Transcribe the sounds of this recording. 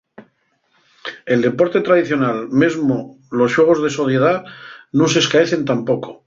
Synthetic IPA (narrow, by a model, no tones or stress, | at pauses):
e̞ld̪e̞po̞ɾt̪e̞t̪ɾaðiθjo̞nalmezmo | lo̞sʝwe̞ɣ̞o̞zðe̞so̞θje̞ð̞anose̞skaeθe̞nt̪ampo̞ko̞̥